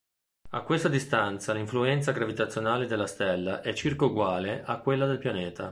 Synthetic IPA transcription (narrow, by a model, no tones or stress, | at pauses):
a̰kːwest̪ad̪ist̪ant̪saliɱfluɛnt̪saɡɾavit̪at̪sjonaːled̪elːast̪ɛlːaʔɛt͡ʃːirkauɡwaːleʔakːwelːad̪elpjanɛːt̪a